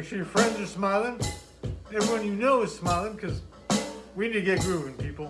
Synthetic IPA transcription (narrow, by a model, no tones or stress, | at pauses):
k̚t͡ʃl̩ˠijə˞fɹɛ̃ndzə˞smaɪlˠɪ̃ŋ | ɛvɹiwʌ̃njɨnoʊɨz̥smaɪlˠɪ̃ŋkʰʌz | winidɨɡɛt̚ɡ̥ɹʉɨ̃npipl̩ˠ